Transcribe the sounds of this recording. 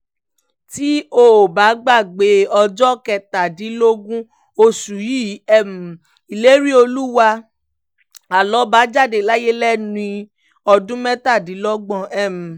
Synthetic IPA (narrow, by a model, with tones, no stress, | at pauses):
ti˨˦o˦˨ba˨˦ɡ͡ba˦˨ɡ͡be˨˦ɔ˧d͡ʒɔ˦kɛ˧˨ta˨di˨˦lo˦ɡũ˦ | o˧su˨ji˦ɛ˦˨m̩˨ | i˨le˦ɾi˦o˧lu˦wa˧ | a˨lɔ˨˦ba˨˦d͡ʒa˦˨de˨la˦je˦lɛ˦nĩ˧ | ɔ˧dũ˦mɛ˦ta˦˨di˨˦lɔ˦ɡ͡bɔ̃˧˨ɛ˦˨m̩̃˨